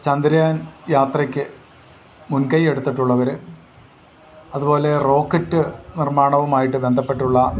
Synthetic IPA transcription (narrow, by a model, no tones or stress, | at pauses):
t͡ɕɐnd̪iɾɐjaːnjaːt̪rɐkʲːɨ | munkɐje̞ɽut̪ːiʈːuɭːɐʋɐɾɨ | ɐðubo̞ːle̞ro̞ːkːɐtːɨnirmaːɳɐʋumaːjiʈːɨbe̞nd̪ʱɐpːe̞ʈːuɭːɐ